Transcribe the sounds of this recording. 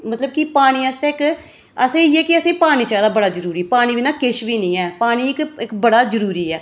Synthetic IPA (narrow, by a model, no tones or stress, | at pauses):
mət̪ləbkɪpaːɽ̃iːast̪eːɪk | əsẽːɛːkɪəsẽːpaːñiːt͡ʃɛːd̪aːbəɽaːzəɾuːɾiːpaːɽ̃iːʋiːnaːkɪʃʋiːnĩːɛːpaːɽ̃iːɪkɪkbəɽaːzəɾuːɾiːɛː